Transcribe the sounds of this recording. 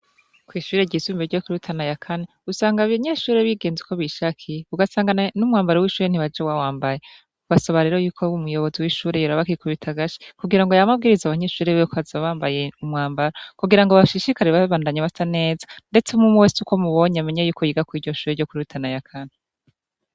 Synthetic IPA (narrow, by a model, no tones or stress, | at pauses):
kwiːʃuːɾe̞ɟiːzumbeɾɟo̞kuɾutʰanajakʰaneusaːŋɡaβaɲeːʃuːɾeβiɡe̞ːnzikʰo̞βiʃakʰijuɡasaːŋɡannumŋaːmbaɾewiːʃuːɾen̥iβad͡ʒewawaːmbaje | βasoβaɾe̞ːɾojuːkʰo̞umujo̞βo̞ziwiːʃuːɾe̞joɾaβakikuβitʰaɡaʃi̥kuɡiɾaŋɡojamab̚ɡiːɾizaβaɲe̞ʃuːɾewekʰoazaaβaːmbaje̞umŋaːmbaɾakuɡiɾaŋɡoβaʃiʃikaɾeβaβaːndaɲaβatʰane̞ːzḁnde̞t͡semumuwetuko̞muβo̞ɲeame̞ɲejuːkojiɡakwiːɾɟo̞ʃuːɾe̞ɾɟo̞kuɾiutʰanajakʰane